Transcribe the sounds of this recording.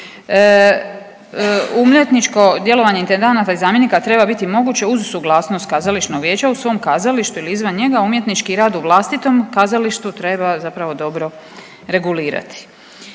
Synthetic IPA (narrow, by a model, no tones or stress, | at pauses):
umlet̪nit͡ʃko̞d̪je̞lo̞ʋaɲe̞int̪e̞nd̪anat̪aizaːmje̞nikat̪ɾe̞babit̪imo̞ɡuːt͡ɕeuzsuɡlˠaːsnost̪̚kazalit͡ʃnoɡʋje̞ːt͡ɕausʋo̞ːmkaːzaliʃt̪uiliizʋanɲe̞ɡaumje̞t̪nit͡ʃkiɾaːd̪uʋlˠaːst̪it̪o̞mkaːzaliʃt̪ut̪ɾe̞bazapɾaʋo̞d̪o̞bɾo̞ | ɾe̞ɡuliːɾa̰t̪i̥